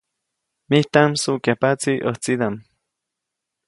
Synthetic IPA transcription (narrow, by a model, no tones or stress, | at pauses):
miht̪amsukapat͡siʔəht͡sid̪am